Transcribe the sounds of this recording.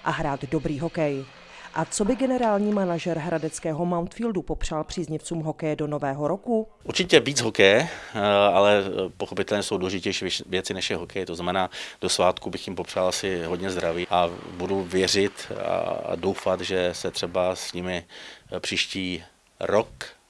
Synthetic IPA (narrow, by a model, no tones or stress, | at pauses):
ʔaɦɾaːt̪do̞bɾiːɦo̞kɛj | ʔat͡sobɪɡɛnɛɾaːlɲiːmanaʒɛɾɦɾadɛt͡skɛːɦo̞mawnt̪fiːldupo̞pr̝̥alpr̝̥iːzɲɪft͡suːmɦokɛjɛdonovɛːɦo̞ɾoku | ʔuɾt͡ʃɪcɛviːd͡zɦokɛjɛ | alɛpoxopɪt̪ɛlɲɛso̞wduːlɛʒɪcɛjʃiːvjɛt͡sɪnɛʃjɛɦokʰɛjt̪oznamɛnaːd̥osvaːt̪kubɪxjɪmpopralʔasɪɦodɲɛzd̪ɾaviːʔabuduvjɛr̝ɪt̪a̰do̞wfat̪ʒɛsɛt̪r̥ɛbasɲɪmɪpr̥iːʃciː | ɾok